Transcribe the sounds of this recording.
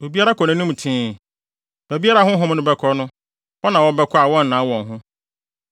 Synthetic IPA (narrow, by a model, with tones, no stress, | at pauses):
o˨bi˦a˦ɾa˦kʰɔ˨nɪ̃˦nʊ̃˦m˨tʰĩː˨˦ | b̥æ˨bi˦a˦ɾa˦hʊ̃˦ɦʊ̃˦m˦nʊ̃˦bɛ˦kʰɔ˦nʊ̃˦ | wɔ˦nã˨wɔ˦bɛ˦kʰɔ˦a˨wɔ̃˦n̩˨nã˨˦wɔ̃˨ŋɦʊ̃˦